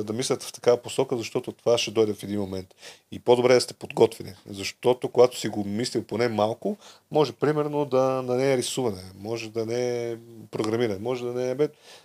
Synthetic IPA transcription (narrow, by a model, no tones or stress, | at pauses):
d̪ɐmislʲət̪ft̪ɐ̥kavɐposɔkəzɐʃt̪ɔt̪ot̪ovaʃɛd̪ɔjd̪ɛfɛd̪inmomɛnt̪ | ipod̪obɾɛd̪ɐst̪ɛ̥pod̪ɡɔt̪vɛnḭzɐʃt̪ɔt̪okoɡat̪o̥siɡomislilˠponɛmalˠkʊ | mɔʒɛpɾimɛɾnod̪ɐnɐnɛːɾisuvɐnɛmɔʒɛd̪ɐnɛpɾoɡɾɐmiɾɐnɛmɔʒɛd̪ɐnɛɛbɛd̪